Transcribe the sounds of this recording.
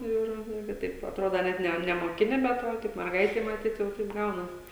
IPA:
ˈɪr ˈɪrʲɡʲɪ ˈtɐɪp ɐtˈroːdoː ˈnʲɛt nʲɛ nʲɛmoːˈkʲɪnʲɪ bʲɛt ˈʋɐ tʲɛɪp mʲɛrˈɡɐɪtʲɛɪ mɐˈtʲiːt ˈjɛʊ tɐɪp ˈɡɐʊnɐs

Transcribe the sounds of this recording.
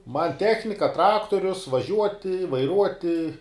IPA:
mɐn ˈtʲæːxʲnʲɪkɐ ˈtrɑːktoːrʲʊs ʋɐˈʒʲuɔtʲɪ ʋɐɪˈruɔtʲɪ

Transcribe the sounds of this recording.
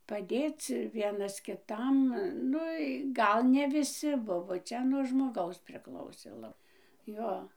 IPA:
pɐˈdʲeːt͡s ˈʋʲiɛnɐs kʲɪˈtɐm ˈnʊ ɪ ˈɡɐlˠ nʲɛ ʋʲɪˈsʲɪ ˈbʊʋoː ˈt͡ʃʲɛ nuɔ ʒmoːˈɡɐʊs pʲrʲɪˈklˠɐʊsʲeː ˈlˠɐ ˈjoː

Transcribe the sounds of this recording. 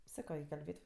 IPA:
ˈsɑːkoː ɪ kɐlʲˈbʲeːtʲ

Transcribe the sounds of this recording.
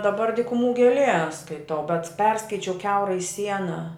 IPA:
dɐˈbɐr dʲiːkʊˈmuː ɡʲeːˈlʲiɛ skɐɪˈtɐʊ bʲɛt ˈpʲɛrskɐɪt͡ʃʲɛʊ ˈkʲɛʊrɐɪ ˈsʲiɛnɐ

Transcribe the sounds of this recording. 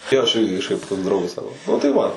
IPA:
ˈjoː ɐʃ ˈɪrʲɡʲɪ kɐʃˈkɐɪp toːks ˈdrɐʊɡɐs ˈsɑːkoː nʊ tɐɪ ˈʋɐ

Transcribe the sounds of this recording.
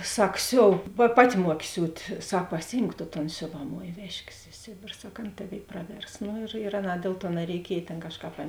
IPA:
ˈsɐk ˈsʲoːw pɐ ˈpɑːˌtʲɪ ˈmuɔkʲɪ ˈsʲuːtʲ ˈsɐk pɐˈsʲɪjɪmk toː toːn ˈsʲoːʋɐˌmoːj ˈʋʲæːʃʲkʲeːs ɪ ˈsʲeːbʲeːr ˈsɐk ˈɐn ˈtɑːˌʋʲeːɪ ˈprɑːˌʋʲɛrs nʊ ɪr ɪr ˈɑːˌnɑː ˈdʲeːlˠ ˌtuɔ nɐrʲɛɪˈkʲiɛj ˈtʲeːn ˈkɑːʃˌkɑːp ˈɐn

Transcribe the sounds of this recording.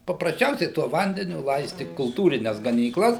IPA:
pɐprɐsʲˈt͡ʃʲɛʊsʲɛɪ tuɔ ˈʋɐnʲdʲɛnʲʊ ˈlˠɐɪsʲtʲɪ kʊlˠˈtuːrʲɪnʲɛs ɡɐnʲiːˈklˠɐs

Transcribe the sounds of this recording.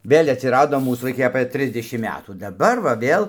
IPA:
ˈʋʲeːlʲ ɐtʲsʲɪˈrɑːdoː ˈmuːs ʋɐɪˈkɐɪ ɐpɘ ˈtʲrʲɪzʲdʲɛʃʲɪm ˈmʲæːtuː dɐˈbɐr ʋɐ ˈʋʲeːlˠ

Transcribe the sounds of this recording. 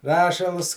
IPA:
ˈrɑːʃɐlˠs

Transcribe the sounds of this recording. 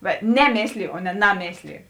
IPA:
ʋɐ ˈnʲæːˌmʲeːsʲlʲɪjʊ oː nʲɛ ˈnɑːˌmʲeːsʲlʲɪjʊ

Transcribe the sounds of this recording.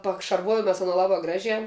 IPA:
pɐkʃɐrˈʋoːjoːm mʲɛs ɐˈnoː ˈlˠɑːbɑː ˈɡrɑːʒʲæː

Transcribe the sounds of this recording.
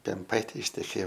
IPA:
pʲɛmˈpɐɪtʲeː ɪʃʲtʲɛˈkʲeːjoː

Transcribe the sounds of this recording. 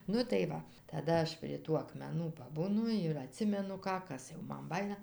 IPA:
ˈnʊ tɐɪ ˈʋɐ tɐˈdɐ ˈɐʃ pʲrʲiɛ ˈtuː ɐkmʲɛˈnuː pɐˈbuːnʊ ɪr ɐˈtʲsʲɪmʲɛnʊ ˈkɑː ˈkɐs jɛʊ ˈmɐn ˈbɑːjɪnɐ

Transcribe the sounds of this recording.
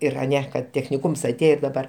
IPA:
ˈɪr ɐˈnʲɛ kɐt tʲɛxʲnʲɪˈkuːms ɐˈtʲeːjoː ɪr dɐˈbɐr

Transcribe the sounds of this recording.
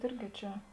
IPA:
ˈɪrʲɡʲɪ ˈt͡ʃʲɛ

